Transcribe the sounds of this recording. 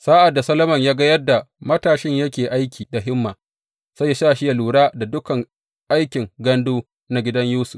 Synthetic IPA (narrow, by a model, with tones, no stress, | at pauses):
saː˦ʔa˨dːa˨sɐ˦lɐ˦mɐ˨ɲjaː˦ɡɐ˦jɐ˦da˨ | mɐ˦taː˨ʃɪ˦ɲjɐ˦kʲeː˨ʔa˦jkʲʰiː˨da˨ɦɪ˦mːaː˨ | sɐ˦jːa˦ʃaː˦ʃɪ˦ja˨luː˨ɽaː˦da˨dʊ˦kɐ˨ŋ | ʔa˦jkʲɪ˨ŋɡɐ˦nduː˦ | na˦ɡʲɪ˦dɐ˦ɲjuː˦sʊ˨f